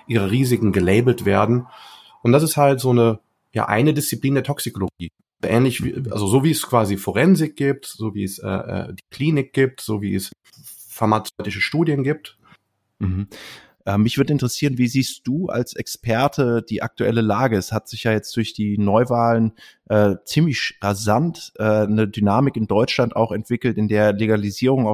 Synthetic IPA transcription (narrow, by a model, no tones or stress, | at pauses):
ʔiːʁəʁiːzɪkŋ̩ɡəlɛɪbl̩tv̥eːɐdn̩ | ʔʊntd̥as̬ɪsthaltz̥oːnə | ja̰ːʔa̰ɪnədɪst͡sipliːndeːɐtʰɔksikoloɡiː | ʔɛːnlɪçvḭʔa̰lzozoːviːɛskv̥aːzifoʁɛnzɪk̚ɡ̥iːp̚tz̥oːvḭːɛsʔɛ̰ːʔɛ̰ːd̥iːkʰl̥iːnɪk̚ɡ̥iːp̚tz̥oːvḭːəs | faɐmat͡sɔʏtɪʃəʃtuːdjənɡiːp̚t | m̩hm̩ | ʔɛːmːɪçv̥ʏɐdəɪntəʁəsiːʁənviːziːstd̥uːʔa̰lsɛkspʰɛɐtʰəd̥iːʔa̰k̚tuɛləlaːɡəɛshatz̥ɪçjaːjɛt͡std̥ʊɐçd̥iːnɔʏvaːlənʔɛːt͡siːmlɪçʁazantʔɛːnədynaːmɪkɪndɔʏt͡ʃlanta̰ʊxɛntv̥ɪkl̩tɪndeːɐleɡaliziːʁʊŋaʊ